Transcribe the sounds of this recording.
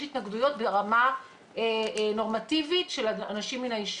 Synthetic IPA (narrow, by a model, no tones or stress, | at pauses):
it̪naɡdujo̞t̚beʁama | eno̞ʁmativitʃe̞lanaʃimːinaiʃ